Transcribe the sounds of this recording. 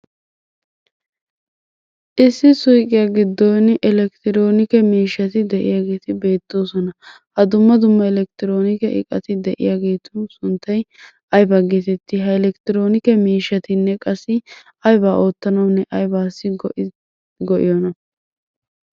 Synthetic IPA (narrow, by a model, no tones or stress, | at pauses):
ʔɪsːɪsʊjkʼɪjaɡɪd̪ːɔnɪʔɛlɛkt̪ɪɾo̞ːnɪkɛmiːʃːɐt̪ɪd̪ɛʔɪ̰jaːɡe̞ːt̪ɪbe̞ːt̪ːo̞ːsɔnɐ | hɐd̪ʊmːɐd̪ʊmːɐɛlɛk̚t̪ɪɾo̞ːnɪkɛʔɪ̰kʼːɐ̰t̪ɪd̪ɛʔɪ̰jaːɡe̞ːt̪ʰʊsʊnt̪ːɐj | ɐjbɐɡet̪ɛt̪ːɪɦɐɛlɛkt̪ɪɾo̞ːnɪkɛmiːʃɐt̪ɪnːɛkʼɐsːɪ | ɐjbaːʔo̞ːt̪ːɐnɐwnːɛʔɐjbaːsːɪ | ɡɔʔɪ̰jɔnɐ